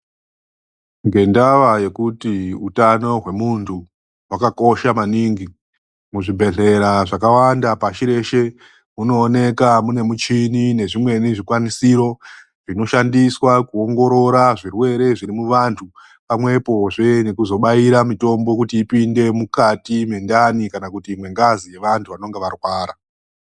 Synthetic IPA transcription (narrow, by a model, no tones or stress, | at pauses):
ŋɡe̞ndaʋaje̞kutiutano̞ɦwe̞muntʰu | wakako̞ʃamaniːŋɡi | muʐibʱe̞ɮe̞ɾaʐakawandapaʃiɾe̞ʃe | muno̞ːne̞kamune̞mut͡ʃinine̞ʐimwe̞niʐikwanisiɾo̞ | ʐ̥ino̞ʃandiswakuo̞ŋɡo̞ɾo̞ɾaʐirwe̞ɾe̞ʐiɾimuʋantʰu | pamwe̞po̞ʐe̞ne̞kuzo̞ɓaiɾamito̞mbo̞kutiːpinde̞mukatime̞ndanikanakutiːmwe̞ŋɡazije̞ʋantʰuʋano̞ŋɡeʋarwaːɾa